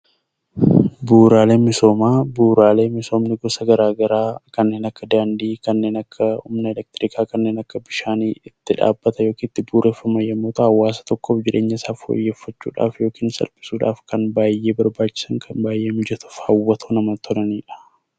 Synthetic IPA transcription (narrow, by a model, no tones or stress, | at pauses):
buːɾaːle̞ːmɪso̞ːmaːbuːɾaːle̞ːmɪso̞ːmnɪɡɔsɐɡɐɾaːɡɐɾaːkɐnːe̞ːnɐkːɐd̪aːnd̪iːkɐnːe̞ːnɐkʰːɐʊ̰mnɐɛlɛk̚t̪ɪɾɪkʰaːkɐnːeːnɐkːɐbɪʃaːniːɪt̪ːɪᶑa̰ːbːɐt̪ɐjo̞ːkiːnɪt̪ːɪbuːɾʔe̞ːfːɐmɐjɐmːoːt̪ɐhɐwːaːsɐ̥t̪ɔkːɔːfd͡ʒɪɾʔe̞ːɲːɐɪsaːfo̰ːjːeːfːɐt͡ʃːṵːᶑa̰ːfjo̞ːkiːnsɐ̰lpʼɪ̥suːᶑa̰ːfkɐnbaːjːe̞ːbɐɾbaːt͡ʃːɪ̥sɐŋkʰɐnbaːjʔe̞ːmɪd͡ʒɛt̪ʊ̥fhɐwːɐt̪ʰoːnɐmɐt̪ʰɔlɐniːᶑɐ̥